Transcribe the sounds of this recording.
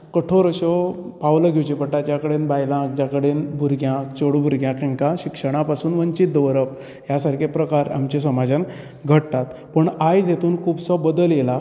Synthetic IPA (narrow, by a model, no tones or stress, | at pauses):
kəʈʰoɾəɕɔ | pawləɡʱewt͡ɕepəʈat̪t͡ɕjakəɽenbajlãk̚d͡ʑjakəɽenbʱuɾɡjãkt͡ɕoɽubʱuɾɡʱjãkɛ̃ŋkaɕikʂəɽ̃apasuːnʋəɲt͡ɕit̪̚d̪əʋɾəp | jasaɾkʰepɾəkaɾa̰mt͡ɕes̬əmad͡zən | ɡʱəʈt̪at̪pəɳajd͡zet̪uːnkʰuːbsɔbəd̪əljela